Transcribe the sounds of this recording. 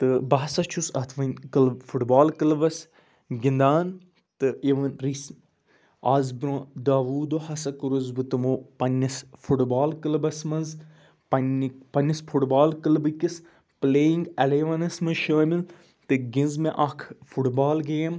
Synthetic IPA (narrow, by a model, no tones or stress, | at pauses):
t̪ɨbɐɦɐsɐt͡ʃʰusɐt̪ʰʋɐnʲkɨlfʰuʈbaːlkɐlɐbɐs | ɡʲind̪aːn | t̪ɨeʋɐnɾis | aːzbɾõd̪aːʋuːd̪ohɐsɐkuɾuzbɨt̪ɨmoːpɐnʲːisfʰuʈbaːlkɐlbɐsmɐnz | pɐnpɐnːisfʰuʈbaːlkɐlbɨkis | pleːiŋɡɐleʋɐnɐsmɐʃaːmil | t̪ɨɡĩnzmẽʔɐkʰfʰuʈbaːlɡeːm